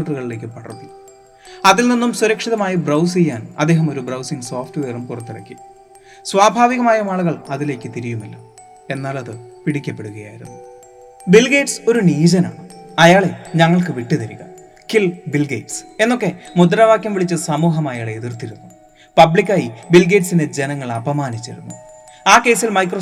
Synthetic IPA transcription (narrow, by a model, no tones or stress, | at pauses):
ʈːɐruɣɐɭile̞ːk̬ʲːɨpɐɽɐ̰rt̪ːi | ɐðilninːumsuɾɐkʂiðɐmaːjibrɐws̬ejːaːnɐ̰d̪ːe̞ːɦɐmo̞ɾubrɐwsiŋsoːfʈɨʋeːrumkurɐt̪ːiɽɐ̰kʲːi | sʋaːbʱaːʋiɣɐmaːjɐmaːɭuɣɐɭɐðile̞ːkʲːɨt̪iɾijumilːɐ | e̞nːaːɭɐðɨpiɽikʲːɐpːe̞ɽuɣɐja̰ːjiɾunːu | bilɡe̞ːʈso̞ɾuniːd͡ʑɐna̰ːɳɨɐjaːɭe̞ɲɐŋːɐɭkɨʋiʈːɨt̪ɐɾiɣɐ | kilbilɡḛːʈse̞nːo̞k̬ːe̞mud̪ɐɾɐʋaːkʲjɐmʋiɭit͡ɕːɨsɐmuːɦɐmaːjaːɭeeðirt̪iɾunːu | pɐbɭikʲːaːjibilɡeːʈsine̞d͡ʑe̞nɐŋːɐɭɐbɐmaːnit͡ɕːiɾunːu | aːkːe̞ːsilmɐjkro